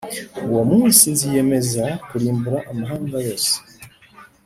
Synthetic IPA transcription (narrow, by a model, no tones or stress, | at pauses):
wamusinzijɛmezakuɾimbuɾaʔamaɦaŋɡaβɔs